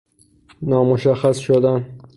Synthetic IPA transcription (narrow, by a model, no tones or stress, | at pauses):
nɒːmoʃæxæsʃod̪æn